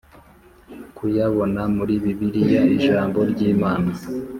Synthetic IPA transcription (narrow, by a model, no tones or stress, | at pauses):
kʰujaβo̞namuɾiβiβiɾijaiʒaːmbo̞ɾɟiːmaːna